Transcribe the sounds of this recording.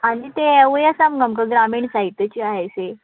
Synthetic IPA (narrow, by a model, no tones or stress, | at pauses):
aɽ̃it̪eeʋəjəsamɡəmkəɡɾamiːɳsait̪ət͡ɕiaɦajse